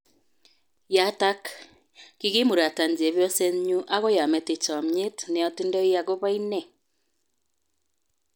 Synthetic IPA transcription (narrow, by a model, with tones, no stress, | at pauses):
ja˨ta˦k | ki˦ɣe˦mo˨ɾa˨ta˨nd͡ʒi˨e˨βjɔ˦sɛ˦ɲu˦ʔa˦ɣɔ˦ja˨mɛ˨te˨t͡ʃɔ˨mɲe˦tne˨ɔ˨te˦ndɛ˦i˦ja˨ɣo˦βa˦i˦nɛ˦